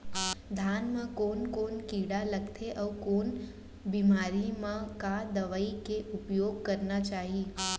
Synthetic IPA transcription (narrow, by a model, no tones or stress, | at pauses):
d̪ʱanmãkoːnkoːnkiɽaləɡt̪ʰeʔəʋkoːn | bimaɾimãkad̪əʋaikeʔʊpjoːɡ̚kəɾnat͡ʃaːɦi